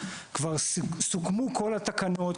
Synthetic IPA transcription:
kvaʁsukmukʰo̞lat̪akano̞t̪

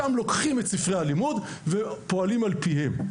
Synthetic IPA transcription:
amlo̞kχimetsifʁehalimud | vepo̞alimalpiɦe̞m

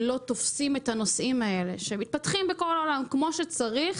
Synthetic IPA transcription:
lo̞t̪o̞fsimet̪ano̞sʔimae̞le̞̰ʃeemit̪̚pat̪χimbeko̞lolamkmo̞ʃet͡saʁiχ

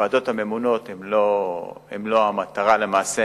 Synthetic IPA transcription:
aːd̪o̞t̪hame̞muno̞t̪emloḛmlo̞amat̪aʁale̞maːse

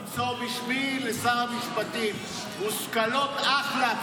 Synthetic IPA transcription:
sobiʃmilesamiʃpat̪imː | uskalot̪aχla

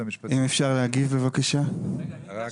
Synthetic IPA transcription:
ʔimefʃaʁleɦaɡivbe̞vakaʃa

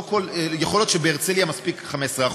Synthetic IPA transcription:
koljeχoljot̪ʃebeeʁt͡seljamaspikχamesʁeaχ

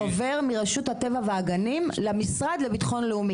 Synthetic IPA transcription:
ove̞ʁmiʁaʃut̪hat̪e̞vaveaɡanimlemisʁad̪lebit̪χo̞nleumi

